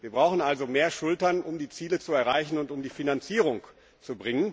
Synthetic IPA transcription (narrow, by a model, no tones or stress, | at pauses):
viːɐbʁaʊxn̩ʔalzomeːɐʃʊltɐnʊmdiːt͡siːlət͡suɛɐʁaɪçn̩ʊntʊmdiːfinant͡siːʁ̞ʊŋ | t͡subʁɪŋən